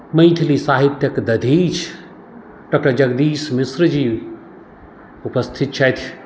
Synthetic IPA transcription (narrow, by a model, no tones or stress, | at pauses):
məjt̪ʰilisaːɦit̪ːjɐkd̪ɐd̪ʱit͡ʃʰ | ɖɔk̚ʈəɾd͡ʒɐɡd̪iːsmisɾd͡ʒi | upəst̪ʰit̪̚t͡ʃʰajt̪ʰ